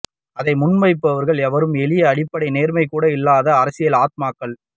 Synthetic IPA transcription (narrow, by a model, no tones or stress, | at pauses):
ɐðɐɪmʊnmɐɪp̬ːɐʋɐɾɣɐɭɛʋɐɾɯmɛɭɪjɐːɽɪpːɐɽɐɪneːɾmɐɪkːuːɽɐɪlːaːðɐːɾɐsɪjɐlaːt̪̚maːkːɐɭ